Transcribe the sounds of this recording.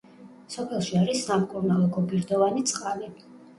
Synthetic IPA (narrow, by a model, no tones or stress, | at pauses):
sɔpʰɛlˠʃiaɾisːamkʼuɾnalˠɔɡɔbiɾd̪ɔvanit̪sʼqʼali